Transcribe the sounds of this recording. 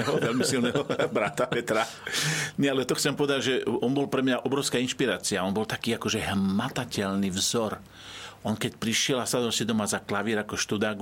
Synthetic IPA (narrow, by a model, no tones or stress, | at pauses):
ɦɔʋɛlmisilnɛɦɔbɾat̪apɛt̪ɾa | ɲɛalɛt̪ɔxt͡sɛmpɔʋɛd̪aɟʒɛɔnbɔlpɾɛmɲaʔɔbɾɔʊskainʃpiɾaːt͡siaɔnbɔlt̪akiːakɔʒɛɦmat̪acɛlnivzɔɾ | ʔɔnkɛcpɾiʃɪɛlasad̪ɔlsid̪ɔmazaklaʋiɛɾakɔʃt̪ud̪aɡ